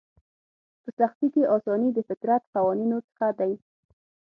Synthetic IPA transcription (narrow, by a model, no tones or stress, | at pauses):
pəsaxt̪ikeʔɑsɑnid̪əfɪk̪ɾat̪qawɑninot͡sə̥xad̪aj